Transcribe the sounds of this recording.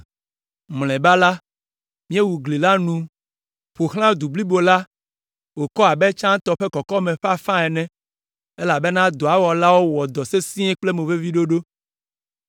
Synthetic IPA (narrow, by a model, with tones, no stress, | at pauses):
ml̃ɛ̃˨ba˦la˦ | mĩ˦e˦wu˨ɡli˨la˦nũ˨ | ɸo˨xl̃ã˦d̪u˨bli˦bo˨la˦ | wo˨kɔ˦a˨bɛ˦t͡ʃã˦t̪ɔ˨ɸe˦kɔ˨kɔ˦mɛ̃˨ɸa˦fã˦ɛ˨nɛ̃˦ | e˦la˨be˦nã˦d̪o˨a˨˦wɔ˨la˦wo˦wɔ˨d̪ɔ˨se˦sĩ˦ɛ˦k͡ple˦mẽ˨ve˦vi˦ɖo˦ɖo˦